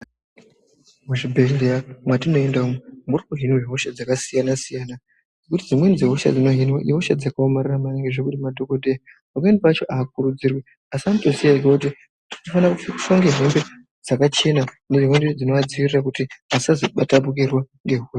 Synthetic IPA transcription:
muʐibʱeeamwatino̞e̞ndaumwemurikuɦinweɦo̞ʃad͡zakasijanasijana | ɡekutid͡zimwend͡ziɦo̞ʃa̰d͡zino̞ɦinwaʔiɦoʃad͡zakaomariramaneŋɡeʐekutimadʱo̞ko̞dʱea | makaendipat͡ʃo̞ʔaːk̚uɾud͡zirwi | asianito̞sijaiɡwakuti | inofanaku̥ʃoŋɡeɦe̞mbe̞ | d͡zakat͡ʃe̞na | neʐiɦwended͡zino̞ʋad͡ziʋirirakutiasazoɓatapuk̬erwaŋɡe̞ɦua

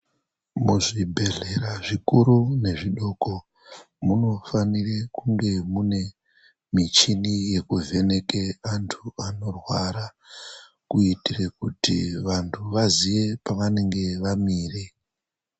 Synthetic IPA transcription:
muʐibʱe̞ɮe̞ɾaʐikuɾune̞ʐiɗo̞ːko̞ | muno̞fanirekuŋɡe̞mune̞ | mit͡ʃinije̞kuve̞ne̞keantʰuano̞rwaɾa | kuitire̞kutḭʋantʰuʋaziʋe̞paʋane̞ŋɡe̞ʋamiːre

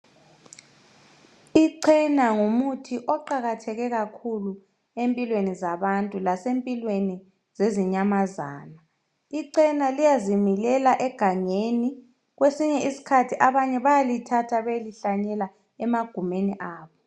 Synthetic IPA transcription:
iǀʰɛnaŋumutʰiʔɔǃaɣatʰɛɣɛɣakʰulu | empʼilwenizaβantʼulasempʼilweni | z̥eziɲamazaːna | iǀɛnalijazimilɛlaʔɛɡ̥ʱaŋeni | ɣwesiɲɛisi̥kʰatʰiʔaβaɲɛβajalitʰatʰaβejliɬaɲɛla | ɛmaɡ̥ʱumeniʔaːβɔ

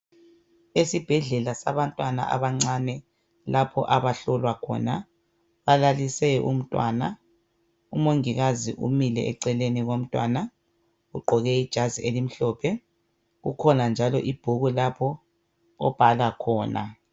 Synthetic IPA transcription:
esib̥ʱɛɮɛlasa̰βantʼwana̰a̰βaŋ͡ǀanɛ | lapʰɔ̰ʔaβaɬɔlwakʰɔ̰ːna | βalalisɛʔṵm̩tʼwa̰ːna | umoŋiɣazḭʔumilɛ̰ʔɛǀɛleniɣom̩tʼwa̰ːna | ɣuɡ͡ǃʱɔɣɛid̥ʒ̥ʱazielim̩ɬɔːpʰɛ | ɣukʰɔnand͡ʒʱalɔʔib̥ʱuɣulapʰɔ̰ː | b̥ʱalakʰɔːna̰

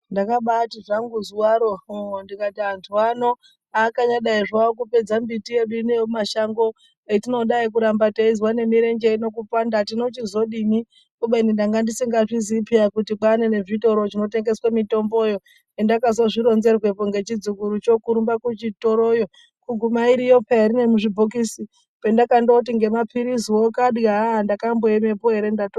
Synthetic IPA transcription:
ndakaɓatiʐaŋɡuzuwaɾondikatiantʰuano̞ | akaɲaɗaiʐwawok̬upe̞d͡zambitijeɗuinemaʃaŋɡo̞ | etino̞ɗaik̬uɾambataizwane̞miɾe̞ɲd͡ʒeino̞k̬upandatino̞t͡ʃizo̞ɗimi | kuɓeinindaŋɡandisiŋɡaʐizipiakutiɓanene̞ʐito̞ɾoʐino̞te̞ŋɡe̞swamito̞mbo̞jo̞ | endakazwaʐiɾo̞nze̞rwe̞poŋɡe̞t͡ʃid͡zukuɾut͡ʃo̞kuɾumbakut͡ʃito̞ɾojo̞ | kuɡʱumaiɾijo̞paeɾine̞muʐibʱokisi | pendakandout̬iŋɡe̞mapʰiɾisiwokaɗɡaandakamboeme̞poɦe̞ɾe̞ndato

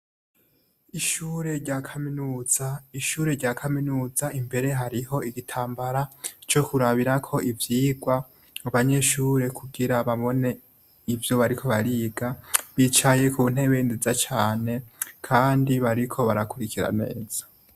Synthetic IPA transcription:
iʃuːɾe̞ɾɟakʰaminuːz̥aiʃuːɾe̞ɾɟaːkʰaminuːzaimbe̞ɾe̞ɦaɾiɦo̞iɡitʰaːmbaɾat͡ʃo̞kuɾaβiɾakʰo̞ʔivjiːɡwa | uβaɲe̞ʃuːɾe̞kʰuɡiɾaβaβo̞ne̞ | ivjo̞βaɾikʰo̞βaɾiːɡaβit͡ʃaje̞kʰuːn̥e̞βe̞nzizat͡ʃaːne̞kʰaːndiβaɾikʰo̞βaɾakuɾikʰiɾa̰ne̞̰ːz̥ḁ

